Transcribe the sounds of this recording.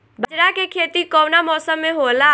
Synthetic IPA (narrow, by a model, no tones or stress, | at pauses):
bəd͡ʒɾakekʰeːt̪ikɔwnamɔːsəmːeɦola